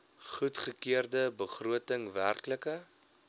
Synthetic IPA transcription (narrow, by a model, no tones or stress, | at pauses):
χutχəkiərdəbəχruətəŋværkləkə